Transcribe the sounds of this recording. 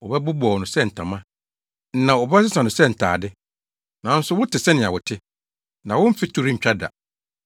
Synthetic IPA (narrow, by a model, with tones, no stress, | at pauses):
wɔ˨bɛ˦bʊ˦bɔ˨nʊ̃˨sɛ˦n̩˨tʰã˨mã˦ | n̩˦nã˨ɔ˨bɛ˦s̬ɪ˦sã˨nʊ̃˨sɛ˦˨n̩˨tʰa̰ː˨dɪ˦ | nã˨n̩˦sʊ˦wʊ˦tʰɪ˨sɛ˦nɪ̃˨a˨wʊ˨tʰɪ˦ | nã˨wʊ̃˦m̩˦fɪ˦tʰʊ˦ɾi˦ɲ̩˨t͡ɕᶣa˦da̰˨